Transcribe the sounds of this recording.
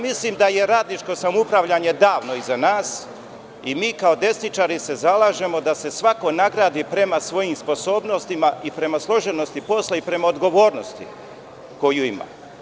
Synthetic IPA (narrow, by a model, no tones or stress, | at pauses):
mislimd̪aje̞ɾaːd̪lit͡ʃko̞samupɾaʋʎaɲe̞d̪aːʋno̞izanaːs | imiːkaod̪e̞snit͡ʃaːɾise̞zalaːʒe̞mo̞d̪ase̞sʋako̞naɡɾaːd̪iːpɾe̞masʋo̞jiːmspo̞so̞ːbno̞st̪imaipɾe̞maslˠo̞ʒe̞no̞st̪ipo̞slˠaipɾe̞maod̪ɡo̞ʋo̞ːɾno̞st̪ḭ | ko̞juima̰ː